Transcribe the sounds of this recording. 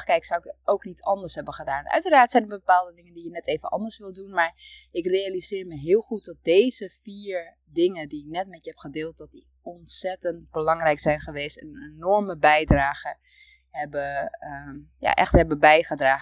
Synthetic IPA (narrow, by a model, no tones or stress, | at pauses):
kɛjksawɪkowknitɑndəɹsɦɛbəχədaːnʔœ̰ɥtəraːɹtsɛjndərbəpaːlˠdədɪŋəndijənɛteːvənʔɑ̰ndəɹsʋɪlˠdunmaɹɪkrealizɪːɹməɦɪːlˠxut̚dɔt̚dejzəfiːɹ | dɪŋədiɪk̚nɛtmɛtjəhɛpχədɪːlˠt̚dɔt̚di | ɔntsɛtəntbəlɑŋrɛjksɛjnχəʋeːstɛnenɔɹməbɛjdraːɣə | hɛbə | ja̰ʔɛ̰xthɛbəbɛjχədraːɣə